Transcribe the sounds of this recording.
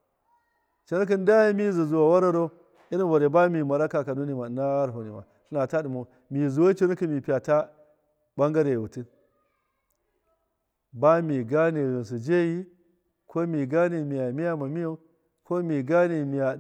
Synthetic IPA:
t͡ʃi˨no˦k̬i˦n˦da˦ja˦mi˦zi˨zu˨wa˨wa˦ɾa˦ɾo˦ | i˦ɾi˦va˨ɾe˨ba˦mi˨ma˨ɾa˦ka˨ka˨nu˦ni˨ma˨na˦a˦ɾɦo˨ni˨ma̰˨ | su˦na˨ta˦ɗu˨mo˨ | mi˨zu˨wo˦t͡ʃi˦no˦ki˦˨mi˨pi˨ja˨ta˦ | ba˦ŋɡa˦ɾe˨wu˨ti˦ | ba˦mi˨ɡa˦ni˨ɣi˨n˨s̬u˨d͡ʒe˦ji˦ | kʰo˦mi˨ɡa˦ni˨mi˨ja˨mi˦ja˦ma˨mi˦jo˦ | ko˦mi˨ɡa˦ni˨mi˨ja˨

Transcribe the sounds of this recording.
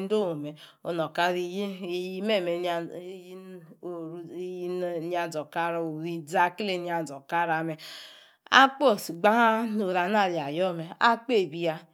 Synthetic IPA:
n̩˦do˦o˨me˨ | o˨nɔ˨ka˦ɾi˨˦ji˦me˦˨me˨˦ | o˨ɾni˦a˨d͡zɔ˨ka˦ɾo˨ɾi˦d͡za˦kle˨ni˦a˨d͡zɔ˨ka˦ɾa˨me˨ | a̰˦k͡po˦˨si˨ɡ͡ba˦a˦no˨ɾa˨n˦a˦˨ɾi˨a˨jɔ˦me˨a˦k͡pe˦˨bi˦a˦

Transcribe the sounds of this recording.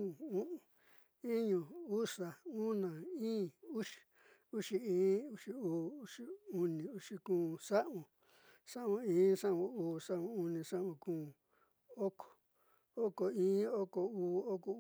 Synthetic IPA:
ũ˦ʔũ˨ | ĩ˦ɲũ˨u˦ʂa˨ũ˦nã˨ĩː˦u˦ʂi̥˨ | u˦ʂi˧ĩː˦u˧ʂi˧uː˨˦u˦ʂi˧u˧nĩ˨u˧ʂi˧kũː˧˦ʂa˦ʔũ˧˨ | ʂa˦ʔũ˧ĩː˦ʂã˦ʔũ˧uː˨˦ʂa˦ʔũ˧u˧nĩ˧ʂa˦ʔũ˧kũː˦ | o˦kʰo̥˨ | o˦ko˨ĩː˦o˦ko˨uː˧o˦ko˧

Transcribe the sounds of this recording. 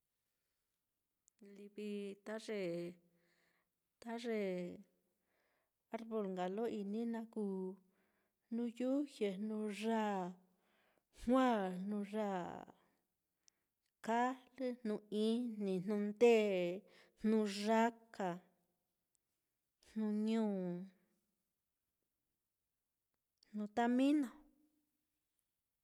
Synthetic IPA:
li˧βi˧t̪a˦ʐe˧˨ | t̪a˦ʐe˧˨ | a˦ɾβo˧˨lŋɡa˨lo˦ʔi˧nĩ˦nã˧kuː˦˧˨ | nũ˧ju˦hje˨nũ˧ʐa˦˨ | hwʷã˦˨nũ˧ʐa˦˨ | ka˦lɨ˦n̥nũ˧ĩ˦n̥nĩ˨nnũ˧nd̪e˦˨ | nnũ˧ʐa˦ka˨ | nnũ˧ɲũː˦˨ | n̥nũ˧t̪a˦mĩ˦nã˨

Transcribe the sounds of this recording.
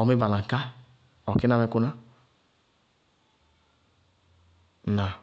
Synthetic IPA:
ɔ˨mi˦ba˨la˨ŋ˨ka˦ | ɔ˨ki˦a˦me˦ku˦na˦˨ | na˨

